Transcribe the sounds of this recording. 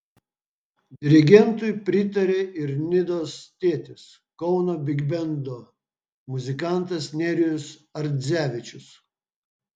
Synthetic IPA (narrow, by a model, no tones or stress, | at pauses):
d̪ʲɪɾʲɪɡʲɛnt̪ʊjpʲɾʲɪt̪ɐɾʲeːɪɾnʲɪd̪oːst̪ʲeːt̪ʲɪs | kɔʊnoːbʲɪɡʲbʲɛnd̪o | mʊzʲɪkɑˑnt̪ɐsnʲɛɾʲɪjʊsɐɾʲzʲæːʋʲɪt͡ʃʲʊs